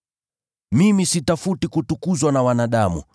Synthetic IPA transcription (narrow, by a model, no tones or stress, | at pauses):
mimisitafutikutukuzwanawanaɗamṵ